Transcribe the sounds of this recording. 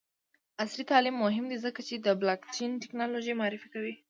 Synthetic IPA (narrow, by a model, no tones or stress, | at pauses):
aslit̪ɑlimːʊɦɪmd̪izəkat͡ʃed̪əblɑkt͡ʃenʈɪknɑloʒejmaɑɾɪfikawi